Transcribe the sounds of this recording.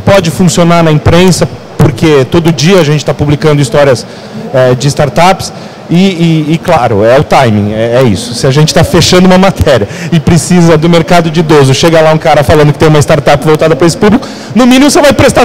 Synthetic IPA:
pɔd͡ʒɪfũsionaɾnɐĩpɾẽsɐ | poɾkʰet̪od̪ʊʊd͡ʒiɐːʒẽnt͡ʃɪ̥t̪apublikɐ̃nd̪ʊist̪ɔɾiɐs | ɛd͡ʒɪːst̪aɾt̪apɪ̥s | ɪɪːklaɾʊɛʊt̪ajmḭ̃ɛɛḭsʊ̥sɪaʒẽnt͡ʃɪ̥t̪afeʃɐ̃nd̪ʊũmɐmat̪ʰɛɾiɐɪpɾɪsizɐd̪ʊmeɾkad̪ʊd͡ʒɪd̪ozʊʃeɡɐlaũkaɾɐfalɐ̃nd̪ʊkɪt̪ẽũmɐist̪aɾt̪apɪvowt̪ad̪ɐpɾɐesɪ̥publikʊ | nʊmĩnĩmʊsevajpɾest̪a

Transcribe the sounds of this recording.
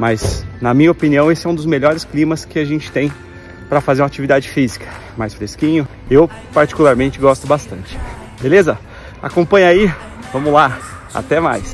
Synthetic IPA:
maznɐmĩɲɐopiniɐ̃w̃esɪɛũd̪ʊzmeʎɔɾɪsklĩmɐskɪaʒẽnt͡ʃɪ̥t̪ẽj̃ | pɾɐfazeɾũat͡ʃivid̪ad͡ʒɪfizikʰɐ̥ | majsfɾeskĩɲʊ | ew | paɾt͡ʃi̥kulaɾmẽnt͡ʃɪɡɔst̪ʊbast̪ɐ̃nt͡ʃɪ̥ | belezɐ | a̰kõpɐ̃ɲai | vɐ̃mʊla | a̰t̪ɛma̰js

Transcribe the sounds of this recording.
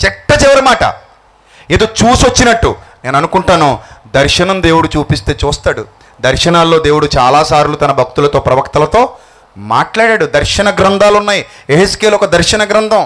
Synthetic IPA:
t͡ʃɛʈːɐt͡ʃɛʋɐɾimaːʈɐ̰ | eːd̪oːt͡ʃuːsʋot͡ʃːinɐʈːṵne̞ːnɐnukuɳʈaːnud̪ɐɾʂɐnɐmd̪e̞ːwuɽut͡ʃuːpist̪e̞ːt͡ʃuːst̪aːɽṵ | d̪ɐɾʂɐnaːlːo̞ːd̪e̞ːwuɽut͡ʃa̰ːlaːsaːɾlut̪ɐnɐbʱɐk̚t̪ulɐt̪o̞ːpɾɐʋɐkt̪ɐlɐt̪o̞ː | ma̰ːʈlaːɽaːɽud̪ɐɾʂɐnɐɡɾɐnd̪ʱaːlunːaːji | eɦeskeːlɔkɐd̪ɐɾʂɐnɐɡɾɐnd̪ʱɐm

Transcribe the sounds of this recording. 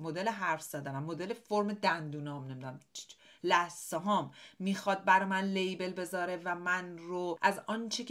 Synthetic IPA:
mod̪eleɦæɾfz̥æd̪ænæmːod̪elefoɾmed̪ænd̪uːnɒːmne̞mid̪unæm | læsɒɦɒːmːiːxɒd̪̚bæɾɒmænlejbe̞lbe̞zɒːɾe̞væmænɾoʔæzɒnt͡ʃʰekʰ

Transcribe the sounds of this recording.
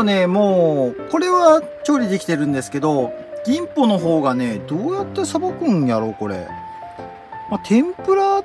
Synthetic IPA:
ne̞mo̞ːko̞ɾe̞βa | t͡ɕo̞ːɾʲid̪e̞kʲi̥t̪e̞ɾɯ̟̃nd̪e̞sɨ̥ke̞d̪o̞ɡ̥ʲĩmpo̞no̞ɦo̞ːɡane̞d̪o̞ːjat̪ːasabakɯ̟̃ɰ̃jaɾo̞ko̞ɾe̞̰ | mat̪ʰẽ̞mpɯ̟ɾa

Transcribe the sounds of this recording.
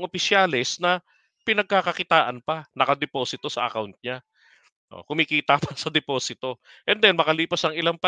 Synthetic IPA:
ŋʔopɪsjaːlɛsnɐ | pɪnɐɡ̚kakɐkɪt̪aːʔɐnpɐnɐkɐd̪ɛpo̞ːsɪt̪o̞sɐ̰ʔɐ̰kawnt̪̚ɲa | ʔo̰kʊmikiːt̪ɐpɐsɐd̪ɛpo̞ːsɪt̪o̞ | ʔɛnd̪ɛnmɐkɐliːpɐsɐŋɪlaŋpɐ

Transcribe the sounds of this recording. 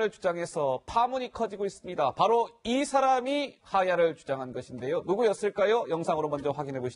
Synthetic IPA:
ɾɯɭt͡ɕud͡ʑaŋɦe̞sʰʌpʰamuɲikʰʌd͡ʑiɡois͈ɯmɲidapaɾoisʰaɾamihajaɾɯɭt͡ɕud͡ʑaŋɦanɡʌɕʰinde̞jonuɡujʌs͈ɯɭk͈ajojʌŋsʰaŋɯɾomʌnd͡ʑʌɸwaɡinɦe̞boɕʰ

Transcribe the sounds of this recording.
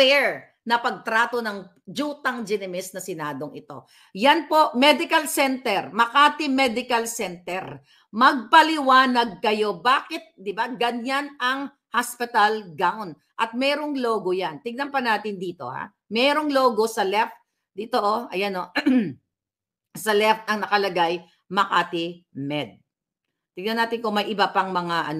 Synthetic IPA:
pɛɹ | nɐpɐɡ̚t̪ɾaːt̪o̞nɐŋ | d͡ʒuːt̪ɐŋd͡ʒɪnɛmɪsnɐsɪnaːd̪o̞ŋʔɪt̪o̞̰ | janpo̞ʔmɛd̪ɪkɐlsɛnt̪ɛɾmɐkaːt̪ɪmɛd̪ɪkɐlsɛnt̪ɛɾ | mɐɡ̚pɐlɪwaːnɐɡ̚kɐjo̞baːkɪt̪̚d̪ɪbaɡɐɲanɐŋ | haspɪt̪ɐlɡawn | ʔɐt̪̚mɛːɾo̞ŋloːɡojant̪ɪɡ̚nɐnpɐnaːt̪ɪnd̪iːt̪o̞̰ha̰ | mɛːɾoŋlo̞ːɡo̞sɐlɛft̪̚ | d̪ɪt̪oʔoʔɐjɐno̞ | sɐlɛft̪̚ɐŋnɐkɐlɐɡaj | mɐkaːt̪ɪmɛd̪̚ | t̪ɪɡnɐnaːt̪ɪnkʊŋmɐjʔɪbapɐŋmɐŋaʔɐ̰n

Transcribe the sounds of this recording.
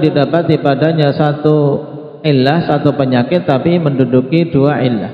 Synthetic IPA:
didapat̪ipadaɲasat̪u | ʔɪlːahsat̪upəɲakɪt̪ːapiməndudukiduaʔɪlːa̰h

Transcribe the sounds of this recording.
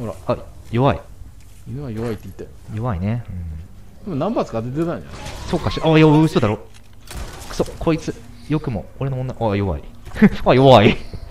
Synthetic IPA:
hoɾa̰ajo̞βaḭ | inɯajo̞βait̪ːeit̪ːa | jo̞βaineɯ̟̃ɴ | d̪̥emɯ̃nãmpat͡sɨ̥kad̪et̪et̪ãɲ̃d͡ʑa̰nso̞ːkaɕiʔajaɯssod̪aɾoː | ksokʰo̞it͡sɨ | jo̞kɯ̟mo̞oɾe̞noõnːaajo̞βa̰ḭajo̞βai

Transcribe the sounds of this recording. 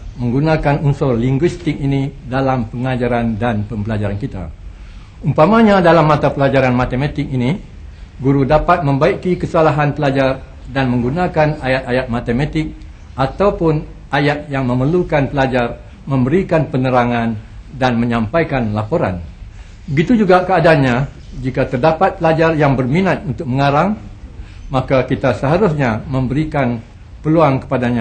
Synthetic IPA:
mə̃ŋɡunãkanunsɔrliŋɡwist̪ɪk̚inidalampəŋad͡ʒaɾandanpəmbəlad͡ʒaɾankit̪a̰ | umpamãɲãdalamːat̪apəlad͡ʒaɾanmat̪emat̪ɪk̚ini | ɡuɾudapat̪̚mə̃mbaikikəsalaɦanpəlad͡ʒar | danmə̃ŋɡunãkanajat̪̚ajat̪̚mat̪emat̪ɪk̚ | ʔat̪awpʊn | ʔajat̪̚jaŋmə̃məlukanpəlad͡ʒar | mə̃mbəɾikanpənəɾaŋãndanmə̃ɲãmpajkanlapoɾa̰n | bəɡit̪ud͡ʒuɡakəadaɲa | d͡ʒikat̪ərdapat̪̚pəlad͡ʒarjaŋbərminat̪̚unt̪ʊk̚məŋaɾaŋ | makakit̪asəɦaɾʊsɲamə̃mbəɾikan | pəluaŋkə̥padaɲã

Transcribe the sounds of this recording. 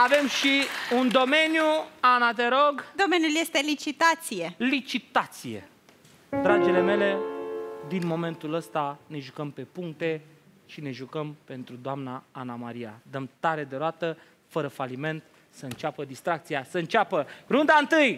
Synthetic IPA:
ave̞mʃiund̪o̞me̞njuanat̪e̞ɾoɡd̪o̞me̞njulje̞st̪e̞lit͡ʃit̪at̪sijelit͡ʃit̪at̪sije̞̰ | d̪ɾad͡ʒele̞me̞le̞d̪inmo̞me̞nt̪uləst̪ane̞ʒukəmpe̞puŋkt̪e̞ | ʃine̞ʒukəmpe̞nt̪ɾud̪oamnaanamaɾija̰d̪əmt̪aɾe̞d̪e̞ɾoat̪ə | fəɾəfalime̞nt̪ | səɨnt͡ʃapəd̪ist̪ɾak̚t̪siasəɨnt͡ʃapərund̪aɨnt̪ɨj

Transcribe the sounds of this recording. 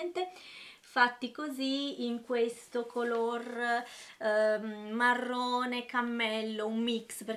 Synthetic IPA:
nt̪efat̪ːikoziːŋkwest̪okʰolor | marːoːnekamːɛlːoumːiksper

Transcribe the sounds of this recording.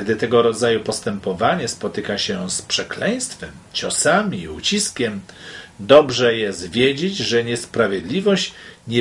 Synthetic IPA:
ɡd̪ɘt̪ɛɡɔɾɔd̪zajupɔst̪ɛmpɔvaɲɛspɔt̪ɘkaɕɛspʂɛklɛj̃st̪fɛm | t͡ɕɔsamʲiut͡ɕiskʲɛm | d̪ɔbʐɛjɛst̪vʲjed͡ʑed͡ʑʐɛɲɛspɾavʲjed̪lʲivɔɕt͡ɕɲɛ

